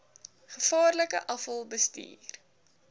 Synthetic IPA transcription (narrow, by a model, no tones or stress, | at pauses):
χəfɑːrləkə̰ʔɐfəlˠbəstḭːr